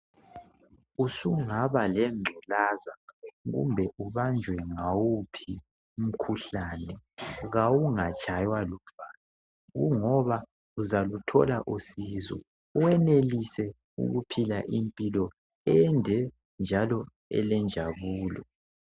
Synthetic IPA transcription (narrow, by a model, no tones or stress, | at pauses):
usuŋaβalɛŋ͡ǃʱɔlazaɣṵmbʱɛʔuβand͡ʒʱwɛŋawupʰi | um̩kʰuɬaːnɛɣawuŋat͡ʃʼʰajwaluvana | ɣuŋɔβa | uzalutʰɔ̰laʔusizɔ̰ | uwɛnelisɛ | ṵɣupʰilaʔimpʼilɔ | ɛndʱɛ | nd͡ʒʱalɔ | ɛ̰lɛnd͡ʒʱaβuːlɔ